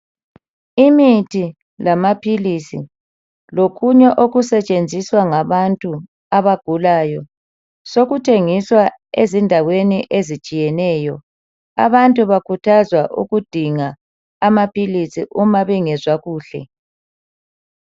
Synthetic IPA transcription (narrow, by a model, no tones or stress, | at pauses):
imitʰi | lamapʰilisi | lokʰuɲɛʔoɣusɛt͡ʃʼend͡zʱiswaŋaβantʼu | aβaɡ̥ʱulaːjɔ | soɣutʰeŋiswa | ezindʱaweniʔezit͡ʃʼijɛnɛːjɔ | a̰βantʼuβakʰutʰazwaʔṵɣud̥ʱiŋaː | mapʰʼilisiʔumaβiŋɛzwaɣuːɬɛ̰